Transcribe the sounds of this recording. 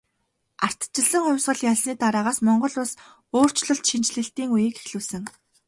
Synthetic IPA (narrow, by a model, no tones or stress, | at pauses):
ar̥t̪t͡ɕɪ̆ɮə̆ŋχʊwʲsʁə̆ɮjaɮsniːt̪aɾaːʁaːsmɔɴɢɞ̆ɮʊs | oːr̥t͡ɕɮɞ̆ɬt̪ʃint͡ɕɮɘ̆ɬt̪iːŋujeːke̥xɮuːsɘ̆ŋ